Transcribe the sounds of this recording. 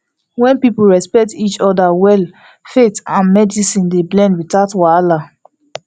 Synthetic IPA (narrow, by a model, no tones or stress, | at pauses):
wɛ̃npipl̩ɹɛspɛk̚tit͡ʃɔdawɛl | fetãnmɛdisĩndeblɛ̃ndwitatwala